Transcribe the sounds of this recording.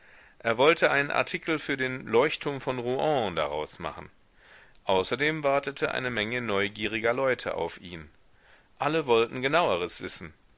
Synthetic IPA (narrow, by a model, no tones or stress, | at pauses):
ʔeːɐvɔltʰəʔaɪnənʔa̰ɐtʰiːkʰl̩fyːɐdeːnlɔʏçtʰːʊɐmfɔnʁuʔɔ̃ːdaʁa̰ʊsma̰χn̩ | ʔaʊsɐdeːmvaɐtətʰəʔa̰ɪnəmɛŋənɔʏɡiːʁɪɡɐlɔʏtʰə̰ʔa̰ʊfʔḭːn | ʔaləvɔltn̩ɡənaʊəʁ̞əsv̥ɪsn̩